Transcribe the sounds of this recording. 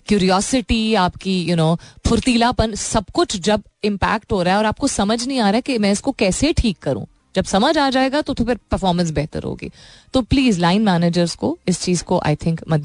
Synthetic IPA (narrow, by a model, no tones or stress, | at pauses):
kjuːɾijɔːsɪʈiaːpkijunoːpʰʊɾt̪iːlapɐnsɐbkʊt͡ʃʰd͡ʒɐb̚ | ɪ̃mpæ̰ːk̚ʈɦoːɾaːɦɛɔːɾaːp̚kosɐməd͡ʒnɐɦĩaːɾaɦɛkemɛ̃ːɪskokɛːseʈʰiːkːɐɾṵ̃ː | d͡ʒɐbsɐməd͡ʒaːd͡ʒaːeːɡat̪ot̪ʰopɪɾpəɾfɔːɾmə̃ns̬bɛɦt̪ə̰ɾɦo̰ːɡḭːt̪oːpliːzlaːɪnmæːneːd͡ʒəɾzkoɪst͡ʃiːzkoʔa̰ɪt̪ʰɪ̃ŋkmɐd̪